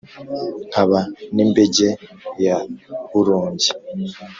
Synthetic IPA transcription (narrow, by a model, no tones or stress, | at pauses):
aβanimbeɟejaβuɾuːɲɟi